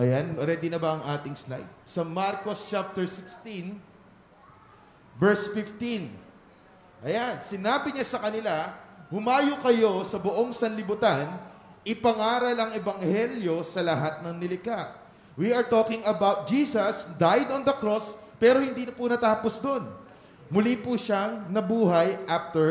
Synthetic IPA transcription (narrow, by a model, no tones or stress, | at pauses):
ʔɐjanoɾɛːd̪ɪnɐbɐʔɐŋʔaːt̪ɪŋsna̰jt̪̚sɐmaɾkost͡ʃap̚t̪ɛɹsɪkst̪in | vɛɹsfɪft̪in | ʔɐjansɪnaːbɪɲasɐkɐnɪlahʊmaːjokɐjo̞sɐbʊʔo̞ŋsɐnlɪbʊt̪anʔɪpɐŋaːɾɐlɐŋɛbɐŋhɛljo̞sɐlɐɦat̪̚nɐŋnɪlɪkaʔ | wiɐɹt̪o̞kɪŋɐbawt̪̚d͡ʒiːsɐsd̪ajd̪ond̪ɐkɾo̞s | pɛːɾo̞hɪ̃nd̪iːnɐpunɐt̪aːposd̪o̞n | mʊlipuʃaŋnɐbuːɦɐjʔaft̪ɛɹ